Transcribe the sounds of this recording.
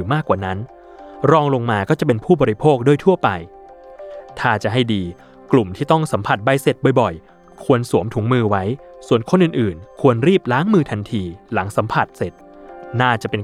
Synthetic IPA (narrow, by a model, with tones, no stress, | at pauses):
maː˥˩kːwaː˨˩na˦˥n | ɾɔː˧ŋlo˧ŋmaː˧kɔː˥˩t͡ɕa˨˩pe˧npʰuː˥˩bɔː˧ɾi˧pʰoː˥˩k̚du˥˩ət̪ʰu˥˩əpa˧j | t̪ʰaː˥˩t͡ɕa˨˩ɦa˥˩jdiː˧ | klu˨˩mt̪ʰiː˥˩t̪ɔ˥˩ŋsa˩˦mpʰa˨˩t̪̚ba˧jse˨˩t̪̚bɔ˨˩jbɔ˨˩j | kʰu˧ənsu˩˦mt̪ʰuː˩˦ŋmɯː˧wa˦˥jsu˨˩ənkʰo˧nʔɯː˨˩nʔɯː˨˩nkʰu˧ənɾiː˥˩p̚laː˦˥ŋmɯː˧t̪ʰa˧nt̪ʰiː˧la˩˦ŋsa˩˦mpʰa˨˩t̪̚se˨˩t̪̚ | naː˥˩t͡ɕa˨˩pe˧n